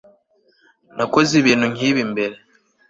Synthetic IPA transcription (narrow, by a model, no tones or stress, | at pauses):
nako̞ziβiːnhuŋiːβimbe̞ɾe̞